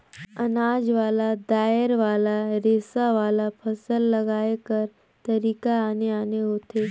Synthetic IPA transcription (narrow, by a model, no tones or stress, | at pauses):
ɐnaːd͡ʒʋaːlad̪aːəɾʋaːlaɾeːsaʋaːlapʰɐsəlːɐɡaːekəɾ | t̪ɐɾiːkaaːneaːneɦoːt̪eː